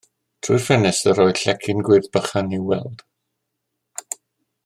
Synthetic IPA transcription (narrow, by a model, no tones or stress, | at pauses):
tʰrurfɛnɛsəɾɔjɬɛkʰɪnɡwɪrðb̥əχaniwɛ̰lˠd̥